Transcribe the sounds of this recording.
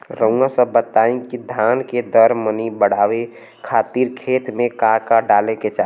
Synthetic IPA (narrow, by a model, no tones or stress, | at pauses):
ɾə̃ũãsəbət̪aːĩkid̪ʱaːnked̪əɾmənibəɽ̤aːwe | kʰaːt̪iɾkʰeːt̪mẽkakaɖaːleket͡ʃa